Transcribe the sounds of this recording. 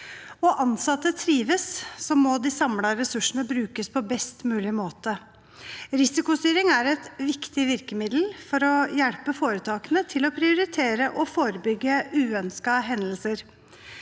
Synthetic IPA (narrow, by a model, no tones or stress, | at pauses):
ɔʔɑnsɑt̪ːət̪ʰɾiːʋəssɔmɔd̪ɪsɑmlɑɾɛsʉʂəɳəbɾʉːkəspʰɔbɛst̪mʉːlɪmoːt̪ə | ɾɪsɪkʊst̪yːɾɪŋæɾɛt̪ʋɪkt̪ɪʋɪɾkəmɪd̪l̩fɔɾɔjɛɽpəfoːɾət̪ʰɑːkənət̪ʰɪlɔpʰɾɪʊɾɪt̪ʰeːɾəʔɔfoːɾəbʏɡːəʉːœnskɑɦɛnd̪əlsəɾ